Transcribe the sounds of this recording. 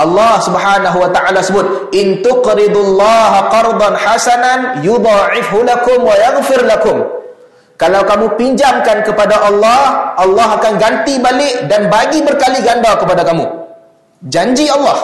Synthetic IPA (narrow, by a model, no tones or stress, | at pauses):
ʔɑlːɑhsubħanaɦuwat̪aʔalasəbʊt̪̚ | ʔɪnt̪ʊqɾɪd̪lːɑːɦaqɑɾˤd̪ˤɑnħasananjud̪ˤɑːʕɪfɦʊlakʊmwajaɣfɪrlakʊm | kalawkamũpiɲd͡ʒamkankəpadaʔɑlːɑhʔɑlːɑɦakanɡant̪ibalɪʔdanbaɡibərkaliɡandakəpadakamṵ̃ | d͡ʒaɲd͡ʒiɑlːɑh